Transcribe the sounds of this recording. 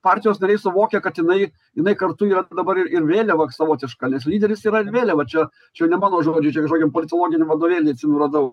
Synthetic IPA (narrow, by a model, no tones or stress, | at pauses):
pɑːrʲt̪ʲɪjoːsnɐɾʲɛɪsʊʋoːkʲɛkɐt̪jɪnɐɪ | jɪnɐɪkɐrt̪ʊiːɾɐd̪ɐbɐɾɪɾɪɾʋʲeːlʲɛʋɐsɐʋoːt̪ʲɪʃkɐnʲɛslʲiːd̪ʲɛɾʲɪsiːɾɐɪɾʋʲeːlʲɛʋɐt͡ʃʲɛ | t͡ʃʲɛnʲɛmɑːnoːʒoːd͡ʒʲɛt͡ʃʲɛkɐʒoːɡʲɪmpoːlʲɪt̪oːlˠoːɡʲɪnʲɛmʋɐd̪oːʋʲeːlʲeɐt̪ʲsʲɪnʊrɐd̪ɐʊ